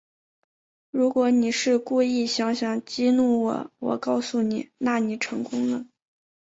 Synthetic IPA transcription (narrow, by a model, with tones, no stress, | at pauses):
ɻu˧˥kwɔ˧˥ni˨˩ʂɻ̩˥˧ku˥˧i˥˩ɕjɑ˧˥ŋɕjɑ˨˩ŋt͡ɕi˥nu˥˩wɔ̰˨˩wɔ̰˨˩kɑ˥˧ʊsu˥˩ni˨˩˦na˥˩ni˨˩ʈ͡ʂʰɤ˧˥ŋkʊ˥ŋnə˨